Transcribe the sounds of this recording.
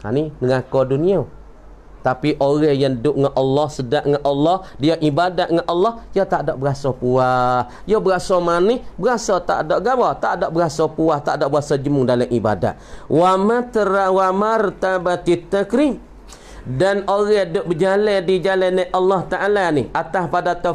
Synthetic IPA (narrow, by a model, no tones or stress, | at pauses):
ha̰ninəŋakɔdunia | t̪apiʔoɣɛhjandʊʔŋaʔɔlːɔhsədaʔŋaʔʔɔlːɔhdiaʔibadaʔŋaʔɑlːɔhjot̪aʔdɔʔbəɣasɔpuah | jobəɣasɔmanihbəɣasɔt̪a̰ʔdɔʔɡawat̪a̰ʔdɔʔbəɣasɔpuaht̪a̰ʔdɔʔbəasɔd͡ʒəmʊŋdalamʔiba̰da̰ʔwamat̪əɾawamaɾət̪abat̪it̪akɾi | danoɣɛdʊʔ̚bəd͡ʒalɛdid͡ʒalanaʔɑlːɔht̪aʔalanihʔat̪ahpadat̪ɔ